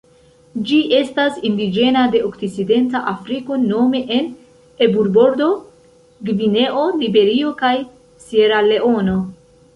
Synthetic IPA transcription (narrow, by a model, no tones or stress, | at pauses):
d͡ʒiʔe̞stasindid͡ʒe̞nade̞ʔokt͡sit͡side̞ntaʔafɾiko̞no̞me̞ʔen | e̞buɾbo̞ɾdo̞ | ɡvine̞ʔo̞libe̞ɾio̞kaj | sieɾale̞o̞no̞